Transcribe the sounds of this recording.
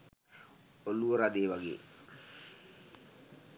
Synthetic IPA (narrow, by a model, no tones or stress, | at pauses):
oluoɾad̪ewaɡḛː